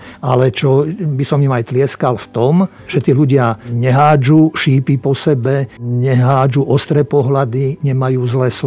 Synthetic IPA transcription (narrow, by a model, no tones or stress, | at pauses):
alɛt͡ʃɔbisɔmjumajt̪lɪɛskalft̪ɔm | ʒ̥ɛt̪iːluɟɪaɲɛɦaːd͡ʒuːʃiːpipɔsɛbɛɲɛɦaːd͡ʒuʔɔst̪ɾɛːpɔɦlad̪iɲɛmajuːzlɛːs